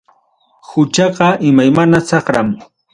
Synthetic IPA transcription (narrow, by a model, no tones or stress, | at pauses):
hʊt͡ʃɑqɑʔɪmajmanasɑχɾa̰m